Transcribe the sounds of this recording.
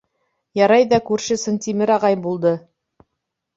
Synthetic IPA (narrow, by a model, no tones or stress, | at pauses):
jɑɾɑjðɑkʉɾʃɘsɘnt̪imɘɾɑʁɑjbulˠd̪ɤ